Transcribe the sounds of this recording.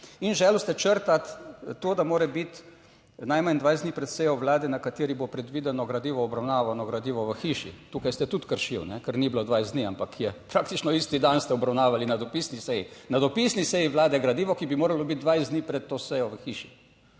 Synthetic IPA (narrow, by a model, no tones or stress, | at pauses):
inʒɛlust̪ɛt͡ʃəɾt̪at̪ːoːd̪amoːɾɛbit̪ | najmand̪ʋajzd̪nipɾɛt̪sɛjɔʋlaːd̪ɛnakat̪iːɾibopɾɛd̪ʋiːd̪ɛnɔɡɾad̪iːʋɔɔbɾawnaːʋanɔɡɾad̪iːʋɔʋəxiːʃḭt̪uːkajst̪ɛt̪ut̪kəɾʃiwnɛkɛɾnibilod̪ʋajzd̪niampakʰjɛpɾakt̪it͡ʃnɔist̪id̪anst̪ɛɔbɾawnaːʋalinad̪ɔpiːsnisɛjinad̪ɔpisnisɛjiʋlaːd̪ɛɡɾad̪iːʋɔkibimoːɾalɔbit̪̚d̪ʋajzd̪niːpɾɛt̪tːoːsɛjɔʋəxiːʃi̥